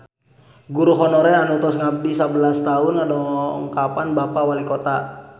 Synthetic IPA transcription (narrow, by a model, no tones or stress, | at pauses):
ɡuɾuɦɔnɔɾɛanut̪ɔsŋab̚disabəlast̪aunadɔəŋkapanbapawalikɔt̪a